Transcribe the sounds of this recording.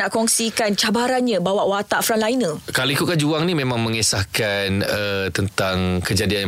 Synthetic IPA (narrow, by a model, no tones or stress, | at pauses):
aʔkɔŋsikant͡ʃabaɾanɲãbawaʔwat̪aʔfɾanlainə̃kaloikukad͡ʒuaŋnĩmẽmãŋmə̃ŋesahkanət̪ənt̪aŋkəd͡ʒadian